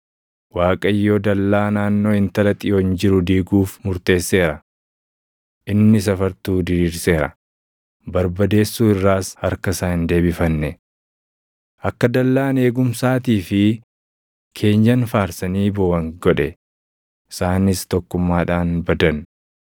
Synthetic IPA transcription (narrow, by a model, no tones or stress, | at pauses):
waːkʼɐjːoːd̪ɐlːaːnaːnːo̞ːhɪnt̪ɐlɐt̪ʼɪjoːɪnd͡ʒɪɾʊd̪iːɡuːfmʊɾt̪e̞ːsːe̞ːɾɐ | ʔɪnːɪs̬ɐfɐɾt̪uːd̪ɪɾiːɾse̞ːɾɐ̰ | bɐɾbɐd̪e̞ːsːuːɪrːaːshɐɾkɐsaːhɪnd̪e̞ːbɪfɐnːɛ | ʔɐkːɐd̪ɐlːaːne̞ːɡʊmsaːt̪̬iːfɪ | kʰe̞ːɲd͡ʒɐnfaːɾsɐniːbɔwɐŋɡɔᶑɛ | ɪsaːnɪst̪ɔkːʊmːaːᶑaːnbɐd̪ɐn